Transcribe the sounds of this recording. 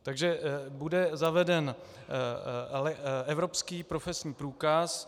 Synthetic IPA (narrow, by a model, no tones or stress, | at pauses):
t̪aɡʒɛbudɛzavɛdɛn | lɛɛvɾo̞pskiːpɾo̞fɛsɲiːpɾuːkas